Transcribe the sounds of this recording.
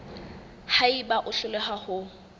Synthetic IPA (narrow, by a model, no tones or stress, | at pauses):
haibaʔʊɬʊlɛɦahʊ